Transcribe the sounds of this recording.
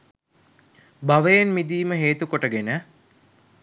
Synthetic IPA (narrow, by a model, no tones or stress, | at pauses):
baʋəjenmid̪iːməɦeːt̪ukoʈəɡenə